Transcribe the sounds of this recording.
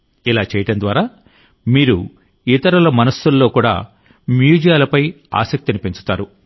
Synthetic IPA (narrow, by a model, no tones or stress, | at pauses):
ilaːt͡ʃɛːjɐʈɐnd̪ʋaːɾaː | miːɾṵ | it̪ɐɾɐlɐmɐnɐsːulːo̞ːkuːɽa̰ː | mjuːd͡ʒɐjaːlɐpɐj | a̰ːsɐk̚t̪inipeɲt͡ʃu̥t̪aːɾu